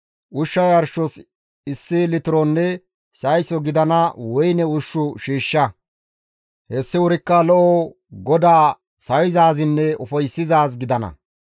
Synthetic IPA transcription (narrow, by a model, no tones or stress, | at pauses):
ʔʊʃːɐjɐɾʃɔs | ɪsːɪlɪt̪ɪɾɔnːɛ | sɐjsɔɡɪd̪ɐnɐwɔjnɛʊʃːʊʃiːʃːɐ | hɛsːɪʊɾɪkːɐlɔʔɔ | ɡɔd̪aː | sɐwɪzaːzɪnːɛʊfɐjsːɪzaːsɡɪd̪ɐnɐ̰